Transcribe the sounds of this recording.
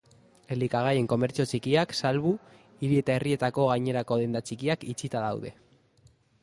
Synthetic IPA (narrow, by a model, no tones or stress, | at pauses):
e̞likaɣ̞aje̞ŋko̞me̞ɾt͡sio̞t͡ʃikiaksalβu | iɾie̞t̪ae̞rie̞t̪ako̞ɣajɲe̞ɾako̞ðe̞nd̪at͡ʃikiakit͡sit̪aðawðe̞̰